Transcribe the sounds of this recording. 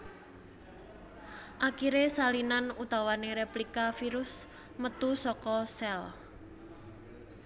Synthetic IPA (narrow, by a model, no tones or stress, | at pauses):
ʔakiɾesalinanut̪awaneɾeplikafiɾʊs | mət̪usɔkɔsɛl